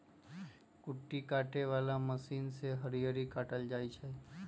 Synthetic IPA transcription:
kʊʈːikaːʈeʋaːlaməsiːnseɦəɾijəɾikaːʈəld͡ʒaːit͡ʃʰɛ

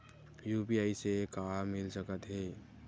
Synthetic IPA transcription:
juːpiaːisekaːmɪlsəkət̪ɦeː

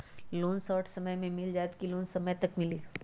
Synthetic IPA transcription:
loːnsɔːʈʰsɐməjmẽmɪld͡ʒaːt̪kiloːnsɐməjt̪ɐkmɪliː

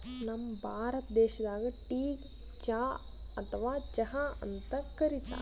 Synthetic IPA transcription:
nɐmːɐbʱaːɾɐt̪d̪ɛːʃɐd̪aːɡɐʈiːɡ | d͡ʒaː | ɐt̪ʰɐʋaːd͡ʒɐɦaɐ̰nt̪ɐkɐɾit̪ɐ̰

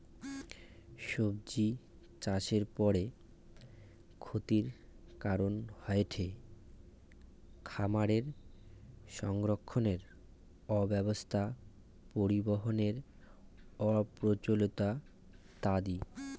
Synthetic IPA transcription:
ʃob̚d͡ʑi | t͡ɕaʃeɾpɔɾe | kʰot̪iɾkaɾonhɔeʈʰe | kʰamaɾeɾ | ʃɔŋɡɾokʰːoneɾ | ɔbɛbost̪ʰa | poɾiboɦoneɾ | ɔpɾot͡ɕolot̪a | t̪ad̪i

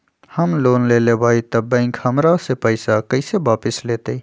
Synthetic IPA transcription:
həmloːnleːleːʋaːit̪ɐbə̃ɪŋkhəmɾasepəɪsakəɪseʋaːpɪsleːt̪ei

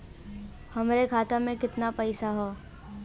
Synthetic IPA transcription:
hɐmɾekʰaːt̪amẽkɪt̪napɐɪsaɦoː

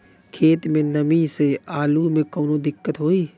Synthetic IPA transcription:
kʰeːt̪mẽnɐmiseaːlumẽkɔːnod̪ɪkːət̪ɦoːiː

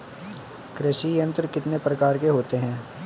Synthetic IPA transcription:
kɾɪʃijə̃nt̪ɾkɪt̪nepɾɐkaːɾkeɦoːt̪eɦɛ̃ː

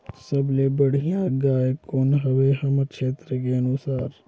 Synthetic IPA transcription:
sɐblebɐɽ̤ijãɡaːekoːnɦɐʋeɦɐmət̪ʃeːt̪ɾəkeɐnusaːɾ

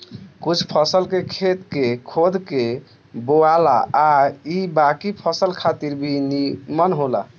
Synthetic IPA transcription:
kut͡ʃʰpʰəsəlkekʰet̪kekʰod̪ʱke | boalaː | ibakipʰəsəlkʰat̪iɾbʱinimənɦola

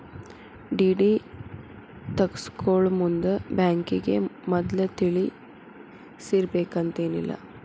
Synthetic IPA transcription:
ɖiːɖi | t̪ɐkskoːɭmund̪ɐbaːŋkiɡḛmɔd̪lɐt̪iɭi | siɾbeːkɐnt̪eːnḭlːɐ̰

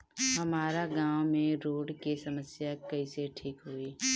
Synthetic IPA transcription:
ɦɐmaːɾaɡãːwmẽɾoːɽkesɐməsjakɐiseʈʰiːkɦʊiː

